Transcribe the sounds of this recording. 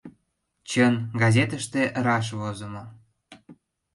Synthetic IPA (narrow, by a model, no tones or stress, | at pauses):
t͡ɕənɡɑzʲet̪əʃt̪eʔɾɑʃ̬βozə̆mo